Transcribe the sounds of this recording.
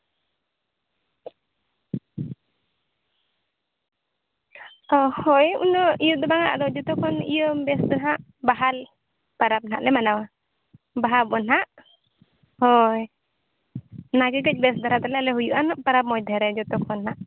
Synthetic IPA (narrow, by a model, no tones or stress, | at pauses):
ɔhɔjṵnɔijɔd̪ɔbaŋaʔd̪ɔd͡ʒɔt̪ɔkʰɔnḭjəmbɛsd̪ɔnɦaʔ | baɦal | paɾap̚na̰ʔlɛmanawa | baɦabɔnɦaʔ | hɔj | naɡɛɡɛc̚ˀbɛsd̪aɾat̪ɔlɛalɛɦujuʔanɔʔpaɾap̚mɔjd̪ʱɛɾɛd͡ʒɔt̪ɔkʰɔnɦaʔ